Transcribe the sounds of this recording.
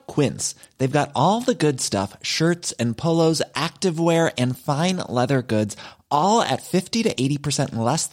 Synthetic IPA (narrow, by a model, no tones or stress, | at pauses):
kʰw̥ɪ̃ns | ðeɪvɡɑɾɔlˠðəɡʊdstʌ̰fʃɜ˞tsɨ̃npʰoʊlˠoʊzʔæk̚tɨvwɛɹɨ̃nfãɪ̃nlɛðə˞ɡʊdzʔɔlˠɨ̰tfɪftiɾɨʔeɪɾipʰə˞sɛ̃nlɛs